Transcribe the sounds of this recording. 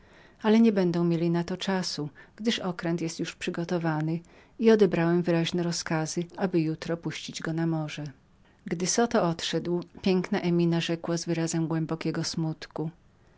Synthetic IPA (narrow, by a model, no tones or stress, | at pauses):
alɛɲɛbɛnd̪ɔ̃w̃mʲjelʲinat̪ɔt͡ʂasuɡ̥d̪ɘʂɔkɾɛnt̪jɛst̪juʂpʂɘɡɔt̪ɔvanɘ | iɔd̪ɛbɾawɛmvɘɾaʑnɛɾɔskazɘabɘjut̪ɾɔpuɕt͡ɕid͡ʑɡɔnamɔʐɛ | ɡd̪ɘsɔt̪ɔɔt̪ʂɛd̪wpʲjɛŋknaʔɛmʲinaʐɛkwazvɘɾazɛmɡwɛmbɔkʲɛɡɔsmut̪ku